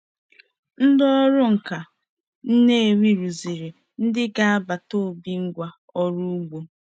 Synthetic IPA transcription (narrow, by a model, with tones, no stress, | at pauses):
n̩˦dɔ˦ɔ˦ɾʊ˦ŋ̩˨ka˨ | n̩˦ne˦e˨ŋʷi˦ɾu˨zi˨ɾi˨ | n̩˦dɪ˦ɡa˦a˦ba˨to˦˨bi˨ŋ̩˦ɡʷa˨ | ɔ˦˨ɾu˦u˦ɡ͡bu˨